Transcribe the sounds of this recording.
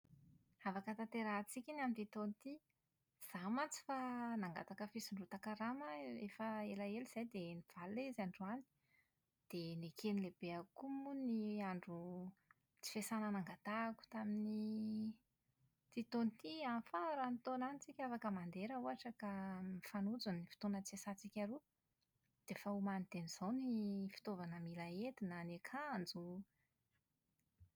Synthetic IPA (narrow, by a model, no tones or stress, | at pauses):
avakət̪ant̪eɾat͡sikʲinamint̪it̪onit̪i | z̥amant͡si̥fanaŋɡa̰t̪akəfisiɳɖ͡ʐut̪akaɾaməefəelaeliz̥ajd̪eniv̥alezaɳɖ͡ʐuani̥ | d̪̥enekʰenilebeakumuniaɳɖ͡ʐu | t͡si̥fesananaŋɡat̪aku̥t̪amini | t̪it̪onit̪ianfaɾanit̪onanit͡sikʲafakəmand̪eɾəuaʈ͡ʂəkamifanud͡zunifi̥t̪onət͡siesat͡sikʲaɾu | d̪̥efəumanit̪eniz̥ownifi̥t̪ovanəmilaet̪inanekʰand͡zu